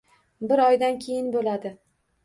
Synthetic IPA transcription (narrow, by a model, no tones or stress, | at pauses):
bɪɾɒjd̪ankʲʰe̞jɪnbolad̪ɪ